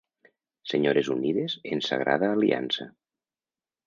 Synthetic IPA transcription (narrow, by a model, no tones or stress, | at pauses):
seɲoɾezuniðezensa̰ɣɾa̰ð̞aːliʔa̰nsa